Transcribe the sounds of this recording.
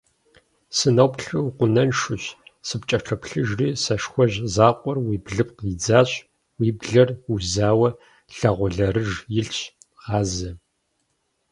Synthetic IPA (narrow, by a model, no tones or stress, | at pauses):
sɨnɐwpɬɨwqʷʊnɐnʂʊɕsɨpt͡ʃʼɐʈ͡ʂʰɐpɬɨʒriːsɐʂxʷɔʑzaːqʷʼɔrwiːbɮɨp̚qid͡zaːɕʼ | wiːbɮɐruzaːwɐ | ɬɐʁʷʊɮɐɾɨʒjɪɬt͡ʃ | ʁɑːzɐ